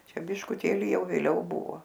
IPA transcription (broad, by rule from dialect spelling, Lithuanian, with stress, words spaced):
ˈt͡ʃʲɛ bʲɪʃkʊˈtʲeːlʲɪ ˈjɛʊ ʋʲeːˈlʲɛʊ ˈbʊʋoː